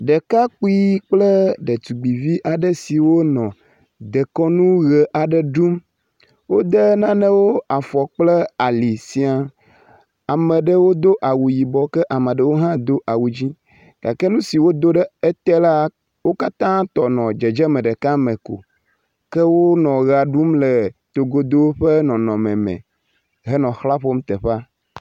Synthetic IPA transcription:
ɖɛ˨ka˦k͡pu˦i˦k͡ple˦ɖə˨t̪u˨ɡ͡bi˨vi˦ʔa˨ɖə˦si˨wo˦nɔ̃˨ | d̪e˨kɔ˦nũ˦ɣɛ˨ʔa˨ɖɛ˦ɖu˦m | wo˦d̪e˦nã˦nɛ̃˦wo˦a˨fɔ˨k͡ple˦a˨li˨si˨a˨ | a˨mɛ̃˨ɖə˦wo˦d̪o˦ʔa˨wu˨ji˨bɔ˨kɛ˦ʔa˨mɛ̃˨ɖɛ˦wo˦ɦã˦d̪o˦ʔa˨wu˨d͡ʑi˦ | ɡ̥a˨kɛ˦nũ˦si˨wo˦d̪o˦ɖɛ˦e˦t̪ɛ˦la˦ | wo˦ka˦t̪ã˦t̪ɔ˨nɔ̃˨d͡ʒɛ˨d͡ʒɛ˦mɛ̃˨ɖɛ˨ka˦mẽ˨ko̰˨ | kɛ˦wo˦nɔ̃˨ɣa˨ɖu˦mle˨t̪o˨ɡo˨d̪o˦wɸe˦nɔ̃˨nɔ̃˨mɛ̃˨mɛ̰̃˨ | ɦɛ˦nɔ̃˨xla˦ɸo˦m̩˦t̪ɛ˨ɸa˦

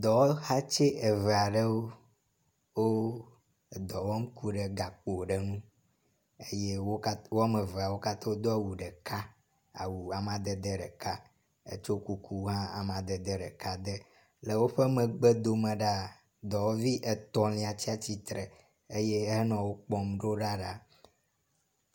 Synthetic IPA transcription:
d̪ɔ˨˦ha˦t͡ʃe˦ʔe˨vɛ˨a˨ɖə˦wo˦ | wo˦˨ | d̪ɔ˨wɔ˦m̩˦ku˦ɖɛ˨ɡa˨k͡po˨ɖe˨nũ˦ | e˦je˦wo˦ka˦wo˦a˦me˨vɛ˨a˨wo˦ka˦t̪ɔ˦wo˦d̪o˦a˨wu˨ɖɛ˨ka˦ | a̰˨wu˨a˨m˨ã˨d̪ɛ˨d̪ɛ˦ɖɛ˨ka˦ | ḛ˨t͡ʃo˦ku˦kʰu˦ɦã˦a̰˨m˨ã˨d̪ɛ˨d̪ɛ˦ɖɛ˨ka˦d̪ə˦ | le˨wo˦ɸɛ˦mɛ̃˨ɡ͡be˦d̪o˨mɛ̃˨ɖa˦ | d̪ɔ˨wo˦vi˦ʔe˨t̪ɔ̃˦lĩ˨a˨t͡ɕi˦a˦˨t͡ɕi˦t̪ɾə˨ | e˦je˦ɦɛ˦nɔ̃˨wo˦k͡pɔ˦mɖo˦ɖa˦ɖa˦

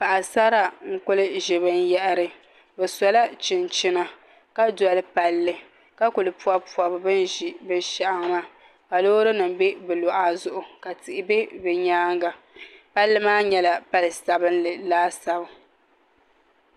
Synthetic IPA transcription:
pa˨ʔa˨sa˦ɾa˨ŋ̩˦kʊ˦lɨ˦ʒɪ˨βɨ˦njɛ˦ʔɾɨ˦˨ | bɨ˨sɔ˨la˦t͡ʃɪ˨nt͡ʃɪ˦na˨ | ka˦dɔ˨lɨ˦pa˨lːɨ˦ | ka˦kʊ˨lɨ˨pu˦a˦pu˨a˨bbɨ˦nʒi˨bɨ˦nʃa˦ʔa˦ŋ˦ma˦ | ka˨loː˦ɾɨ˦nɨ˨mbe˦bɨ˨lɔ˨ʔa˦zʊ˨ʔʊ˨ka˨tɪ˨ʔɪ˨be˦bɨ˨ɲaː˦ŋɡa˨ | pa˦lːɨ˦maː˦ɲɛ˦la˨pa˦lɨ˨sa˨bɨ˦nlɨ˨laː˦sa˨bʊ˨

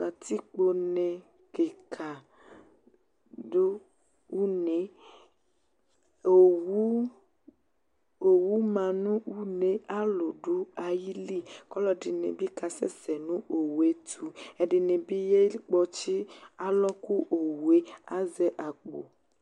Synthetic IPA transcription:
a˨t̪i˦k͡po˨nẽ˨ | ke˨kʰa˨ | do˦ | wu˦ne˨ | o˨wu˦ | o˨wu˦mã˨nũ˦wu˦nẽ˨a˦lo˨ɖo˦a˨ji˦li˦kɔ˦lɔ˦ɖi˨nḛ̃˨bi˦ka˨sɛ̰˦sɛ˨nũ˦o˨wu˨e˦t̪ʰu˦e˨ɖe˨nẽ˨bi˦je˦k͡pɔ˦t͡ʃi˦a˦lɔ˦ku˦ʔo˨wu˨e˦a˦zɛ˦ʔa˨k͡po̰˨

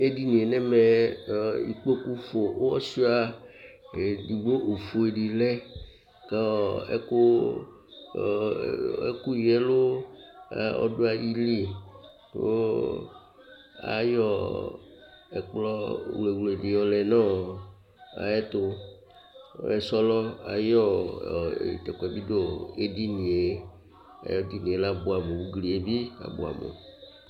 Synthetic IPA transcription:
e˦di˦nĩ˨e˨nɛ̃˦me˨ | i˨k͡po˦ku˦fo˨wo˦ɔ˦si˦a˦˨ | e˨di˨ɡ͡bo˦ʔo˨fo˨e˨ɖi˨lɛ˦ | ka˦˨ḛ˦ko˦˨ | ḛ˦ku˦jɛ˦lo˦ | a̰˨ɔ̰˦ɖo˦a˨ji˦li˦˨ | o˦ | a̰˨jɔ˦ | ɛ˨k͡plɔ˦wle˨wle˨di˨jɔ˨˦lɛ˨nã˦˨ | a̰˨ɛ˦t̪o˦ | e˨sɔ˦lɔ˦a̰˨jɔ˦˨ | t̪ɛ˨kɛ˨bi˦do˦e˦di˦nĩ˨e˦ | a̰˨jɔ˦di˦nĩ˨e˨˦la˦bo˦a˨me˨wu˦ɡli˨e˨bi˦a̰˨bo̰˨a̰˨mḛ˨

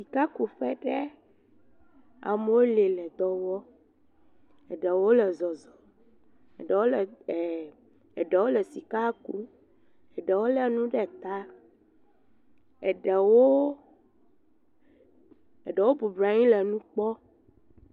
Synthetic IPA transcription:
si˨ka˦ku˨ɸɛ˦ɖɛ˦ | a̰˨mo˦le˨lɛ˨d̪ɔ˨wɔ˦ | ɛ˨ɖɛ˨wo˦lɛ˨zɔ˨zɔ˨ | ɛ̰˨ɖɛ˨wo˦l | ɛ˨ɖɛ˨wo˦lɛ˨si˨ka˦ku˦ | ɛ˨ɖɛ˨wo˦lɛ˨nũ˦ɖɛ˦t̪a˦ | ɛ˨ɖɛ˨wo˦ | ɛ˨ɖɛ˨wo˦bu˨bɾa˨ɲĩ˦lɛ˨nũ˦k͡pɔ˦

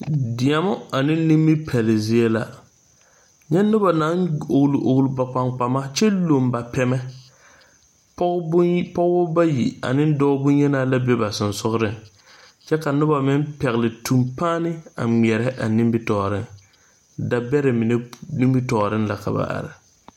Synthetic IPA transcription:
dɪ˨a˨mɔ˦a˨nɪ˦nɪ˦mbi˦pʰɛ˨lɪ˨zɪ˦e˦la̰˨ | ɲɛ˦nʊ˦ba˨na˨˦no˨klu˨ʔo˨klu˦ba˨k͡pa˨ŋk͡pa˨ma˦t͡ʃɛ˦lo˨mba˨pɛ˨mɛ˦ | ppɔ˦ɣbɔ˦ba˦jḭ˨a̰˨nɪ˦n˦dɔ˦bʊ˦ɲɛ˦naː˦la˦bɛ˦ba˨sʊ˨nsʊ˦ɣɾɪ˦ŋ | t͡ʃɛ˦ka˨nʊ˦ba˨mɪ˦mpɛ˨ɣlɪ˨tʰu˨mpaː˦nɪ˦a̰˨ŋ͡mɛ˨ɾɛ˦ʔa˨nɪ̃˦mbɪ˦tɔː˨ɾɪ˦ŋ | da˨bɛ˦ɾɪ˨mɪ˨nɛ˦ni˦mbi˦tɔː˨ɾɪ˦nla˨ka̰˨ba̰˨ʔa̰˨ɾɪ˨

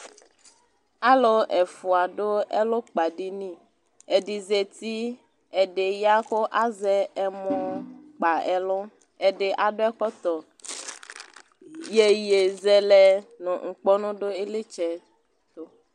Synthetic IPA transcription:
a˦lo˦ʔɛ˨fu˨a˨ɖo˦ɛ̰˦lo˦k͡pa˨ɖi˦nĩ˦˨ | e˨ɖi˨zɛ˨t̪i˦ | ɛ˨ɖe˨ja˦xo˦ʔa˦zɛ˦ɛ˨mɔ̃˨k͡pa˨ɛ˨lɔ˦ | ɛ˨ɖe˨ʔa˨ɖo˦ɛ˦kɔ˦t̪ɔ˨ | je˨je˨zɛ˨lɛ˦nɔ̃˨ŋ̩˨k͡pɔ˦nũ˦ɖo˦e˦le˦t͡ʃɛ˦ | t̪o˦

